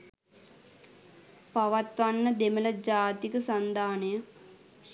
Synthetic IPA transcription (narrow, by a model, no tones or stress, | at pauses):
paʋat̪ʋanːəd̪emələd͡ʒaːt̪ikəsand̪aːnəjə